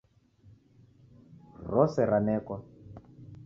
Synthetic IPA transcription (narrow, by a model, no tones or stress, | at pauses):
rɔsɛɾanɛːkwa